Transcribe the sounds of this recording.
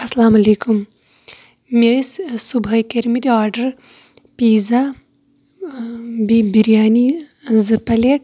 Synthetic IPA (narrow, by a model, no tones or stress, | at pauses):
ɐslaːmɐleːkum | messubʱɐjkeɾmit̪iaːɾɖɐɾ | piːza | bibiɾjaːnizɨpɐleʈ